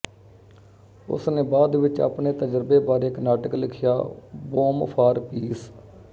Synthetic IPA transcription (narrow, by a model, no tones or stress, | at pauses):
ʊ̰sneːbaːd̪ʋɪt͡ʃa̰ːpneːt̪əd͡ʒɾbeːbaːɾeːkənaːʈəklɪkʰɪja̰ːboːmpʰaːɾpiːs